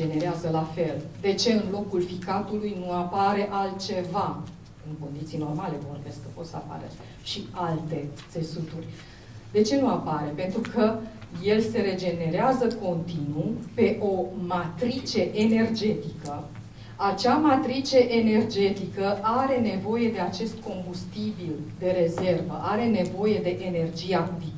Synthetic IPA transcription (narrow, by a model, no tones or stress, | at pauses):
ene̞ɾeazəlafe̞ld̪e̞t͡ʃe̞ɨnlo̞kulfikat̪ulujnuapaɾe̞ʔalt̪̚t͡ʃe̞va | ɨŋko̞nd̪it̪sijno̞rmale̞vo̞rbe̞skəpo̞t̪səa̰pa̰ɾḛr | ʃialt̪e̞t̪se̞sut̪urʲ | d̪e̞t͡ʃe̞nuapaɾe̞pe̞nt̪ɾukəje̞lse̞ɾe̞d͡ʒe̞ne̞ɾeazəko̞nt̪inupe̞ʔo̞mat̪ɾit͡ʃe̞ʔene̞rd͡ʒe̞t̪ikə | at͡ʃamat̪ɾit͡ʃe̞ʔene̞rd͡ʒe̞t̪ikəʔaɾe̞ne̞vo̞je̞d̪e̞at͡ʃe̞st̪ko̞mbust̪ibild̪e̞ɾe̞ze̞rvə̰ʔaɾe̞ne̞vo̞je̞d̪e̞ʔene̞rd͡ʒijad̪i